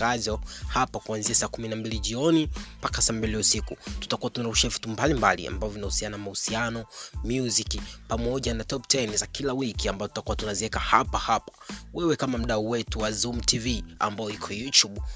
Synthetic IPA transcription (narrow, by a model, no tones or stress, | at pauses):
azɔhapakuanziasaːkuminambiliʄiɔnimpakasaːmbiliusikutu̥takuwatunauʃɛvi̥tumbalimbalḭa̰mbavɔvinahusiananmahusianɔmjuzikipamɔʄanatɔptɛjnzakilawikiambazɔtu̥takuwatunaziwɛkahapahapḁwɛwɛkamam̩ɗauwɛtuwazumtʰivia̰mbajɔikʰɔjutuɓ